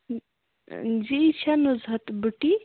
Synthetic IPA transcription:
d͡ʒit͡ʃʰanozɦɐt̪buʈi

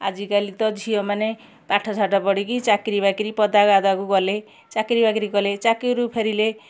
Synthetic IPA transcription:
a̰d͡ʒikalit̪ɔd͡ʒʱijɔmane | paʈʰɔt͡ʃʰaʈɔpɔɽikit͡ʃakɾibakiɾipɔd̪aɡad̪akuɡɔle | t͡ʃakɾibakiɾikɔlet͡ʃakiɾupʰeɾile

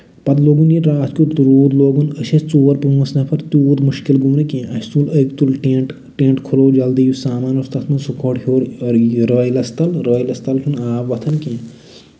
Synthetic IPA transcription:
pɐt̪loːɡunjiɾaːskut̪ɾuːd̪loːɡunəsɐst͡suːɐɾpumɐsnɐpʰɐɾt̪uːɾmuʃkilɡumnɨkẽːʔɐst͡suləkt̪ulʈẽɳʈ | ʈẽːɳʈkʰuloːd͡ʒɐld̪ijusaːmaːnɐst̪ɐt̪ʰmɐnsukʰoʈɦoːɾɾəːjlɐst̪ɐlɾəːjlɐst̪ɐlkʲʰunaːpʋɐt̪ʰɐnkẽː

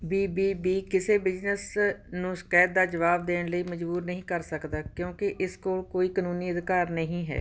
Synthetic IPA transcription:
biːbiːbiːkɪseːbɪd͡ʒnəsnũːskɛːt̪̚d̪aːd͡ʒəʋaːb̚d̪eːɳləiːməd͡ʒbuːɾnəɦĩːkəɾsəkd̪aːkjõːkɪʔɪskoːlkoːiːkənũːniːəd̪kaːɾnəɦĩːɦɛ̰ː

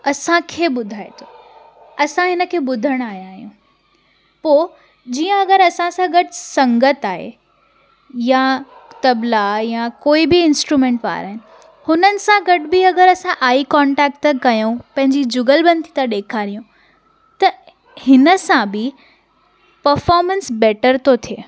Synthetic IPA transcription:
ɐsãkʰeːɓʊd̪ʱaːḛt̪ʰoː | ɐsãɦɪnə̆kʰeːɓʊd̪ʱəɽ̃aːɦijãaːɦijũ | poː | d͡ʑiːə̃ɐɡəɾɐsãsãɡɐɖɪsɐ̃ŋɡət̪aːɦḛ | ja | t̪ɐblajakoːibɪɪnsʈɾuːmẽːɳʈʋa̰ːɾa̰ːɦɪnɪ̆ | hʊnənɪ̆sãɡɐɖbɪɐɡəɾɐsãʔaːikɔːɳʈɛːk̚ʈːkɐjũpɐ̃ɦɪɲd͡ʑid͡ʑʊɡəlbɐ̃nd̪it̪aɗeːkʰaːɾijũ | t̪ɐ | hɪnə̆sãbɪ | pɐɾfɔːɾmə̃nsbɛːʈəɾt̪ʰot̪ʰijeː

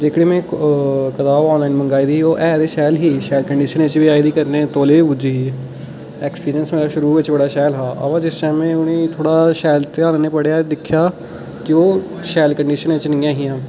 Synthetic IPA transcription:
d͡ʒeːkʰɽeːmɛ̃ːkət̪aːʋɔːnlaːinmə̃ŋɡaːiːd̪iːoːʔɛːd̪eːʃɛːlɦiːʃɛːlkəɳɖiːʃənɪt͡ʃʋiːaːid̪iːkəɾnẽːt̪oːleːbʊd͡ʒiːɦiː | ɛːkspiːɾijənsmeːɾaːʃʊɾuːʋɪt͡ʃbəɽaːʃɛːlɦaːʔə̰ʋãːd͡ʒɪst͡ʃɛ̃ːmɛ̃ːʊnẽːt̪ʰoːɽaːʃɛːlt̪eːaːnneːpəɽejaːd̪ɪkʰːjaː | kɪoː | ʃɛːlkəɳɖiːʃənɪt͡ʃnɪ̃ːjãːɦiːãː

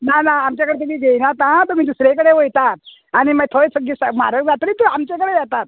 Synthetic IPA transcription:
nanaːmt͡ɕjakəɽet̪umiːɡʱejnat̪ãt̪əmiːt̪̬əsɾekəɽeʋojt̪at̪̚ | aɽ̃imət̪ʰoesəɡisəma̰ɾəkd͡zat̪əɾiːt̪əamt͡ɕekəɽejat̪at̪̚

